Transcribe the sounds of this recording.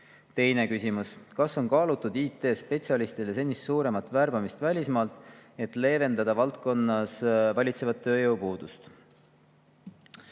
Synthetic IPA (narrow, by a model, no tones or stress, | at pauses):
t̪e̞jne̞kysimuskɑso̞nkɑːlut̪ːˑud̪iːt̪ːˑe̞ːspe̞t̪siɑlist̪iles̬e̞nːisːuːɾe̞mɑt̪ˑvæɾb̥ɑmist̪vælʲismɑːlt̪ˑe̞t̪ˑle̞ːve̞nd̪ɑd̪̥ɑvɑlt̪ko̞nːɑsvɑlʲit̪se̞vɑt̪ːø̞ːjɤwpuːd̪̥ust̪